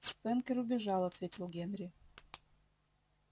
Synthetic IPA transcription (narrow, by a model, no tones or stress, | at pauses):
spɛnkʲəɾʊbʲɪʐɑlˠɐt̪vʲetʲɪlˠɡʲenɾʲɪ